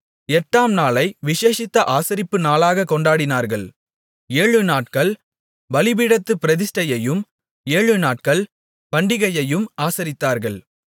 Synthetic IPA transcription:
ɛʈːaːmnaːlɐɪʋɪʂeːʂɪt̪ːɐʔaːsɐɾɪpːɯnaːlaːɣɐkːɔɳɖaːɽɪnaːɾɣɐɭ | eːɻɯnaːʈ̚kɐɭ | ʋɐlɪbiɽɐt̪ːɯpɪɾɐðɪsʈɐjɐjɯm | eːɻɯnaːʈ̚kɐɭ | pɐɳɖɪɣɐjɐjɯmaːsɐɾɪt̪ːaːɾɣɐɭ

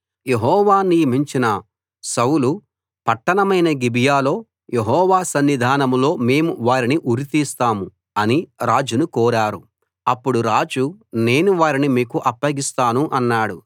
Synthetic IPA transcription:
je̞ɦɔːʋaːniɾmiɲt͡ʃinɐ | sɐwlu | pɐʈːɐnɐmɐjnɐɡibijaːlo̞ː | jeɦɔːʋaːsɐnːid̪ʱaːnɐmlo̞ːme̞ːmuʋaːɾiniʔuɾit̪iːst̪aːmu | ɐniɾaːd͡ʒunukɔːɾaːɾu | ɐpːuɽuɾaːd͡ʒune̞ːnuʋaːɾinimiːkuʔɐpːɐɡist̪aːnuʔɐnːaːɽu

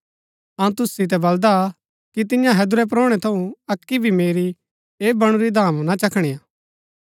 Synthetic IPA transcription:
ɐ̃ũt̪ʊsːit̪̬ɛbɐld̪a | kit̪ɪ̃jãɦɛd̪ʊɾɛp̬ɾoːɽ̃ɛt̪ʰɐũɐkːibʱimeːɾi | eːbɐɽ̃uɾid̪ʱaːmnat͡ʃɐkʰɽ̃ijaː

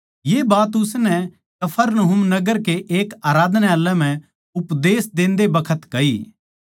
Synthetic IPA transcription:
jeːbaːt̪ʊsnɛ | kɐpʰəɾnɐɦʊmnɐɡəɾkeʔeːkaːɾaːd̪nealːɛ̃m̤ɛ̃ | ʊpd̪eːsd̪ẽːnd̪ebɐkʰət̪kɐiː

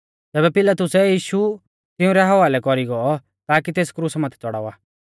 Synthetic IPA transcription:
t̪ɛːbɛpɪlat̪ʊsɛjiːʃu | t̪ɪ̃ʊ̃ɾɛɦɐʋaːlɛkɔɾiɡɔɔ | t̪aːkit̪eːskɾusmat̪ʰɛ̥t͡sɔɽa̰ːʋaː

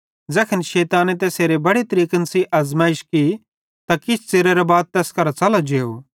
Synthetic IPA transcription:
d͡zɛːkʰənʃɛːt̪aːnet̪eːseːɾebɐɽit̪ɐɾiːkənsiʔɐzmaːɪʃki | t̪akɪt͡ʃʰt͡seɾeɾabaːd̪̚t̪ɛːskɐɾat͡sɐlad͡ʒeːoː

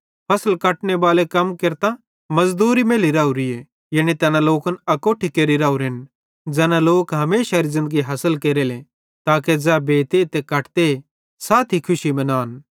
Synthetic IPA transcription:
pʰɐsəlkɐʈneʋaːlekɐmkeɾt̪a | mɐzd̪uːɾimeːliɾaːuɾie | jɐɽ̃it̪ɛːnãloːkɐnɐkoːʈʰikeːɾiɾaːuɾɦɪn | d͡ʒɛːnãloːkɦɐmeːʃaɾizɪ̃nd̪əɡiɦɐsəlkeːɾele | t̪aːked͡zɛːbeːt̪et̪ekɐʈt̪ee | saːt̪ʰikʰʊʃimɐ̃naːn

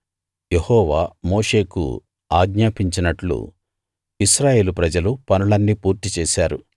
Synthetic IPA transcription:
jehɔːʋaːmo̞ːʂe̞ːkṵ | aːɡɲaːpiɲt͡ʃinɐʈlṵ | iʃɾaːje̞ːlupɾɐd͡ʒɐlupɐnulɐnːipuːɾt̪it͡ʃɛːʃaːɾṵ

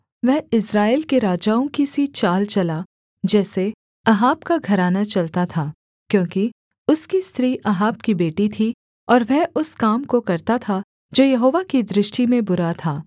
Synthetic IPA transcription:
ʋɛɦɪsɾaːeːlkeɾaːd͡ʒaːõkisit͡ʃaːlt͡ʃɐla | d͡ʒɛːse | ɐɦaːbkaɡʱɐɾaːnat͡ʃɐlt̪at̪ʰaː | kjõːki | ʊskist̪ɾiːʔɐɦaːbkibeːʈit̪ʰi | ɔːɾʋɛɦʊskaːmkokɐɾt̪at̪ʰa | d͡ʒoːjɐɦoːʋakid̪ɾɪʃʈimẽbʊɾat̪ʰaː

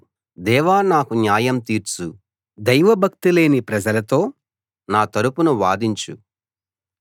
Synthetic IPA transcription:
d̪ɛːʋaːnaːkunjaːjɐmt̪iːɾt͡ʃu | d̪ɐjʋɐbʱɐk̚t̪ile̞ːnipɾɐd͡ʒɐlɐt̪o̞ː | naːt̪ɐɾupunuʋaːd̪iɲt͡ʃu

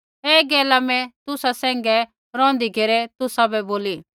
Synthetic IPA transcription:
eːɡɛːlamɛ̃t̪ʊsasɛ̃ːŋɡɛ | ɾɔ̃ːnd̪ikeɾɛt̪ʊsabɛboːli

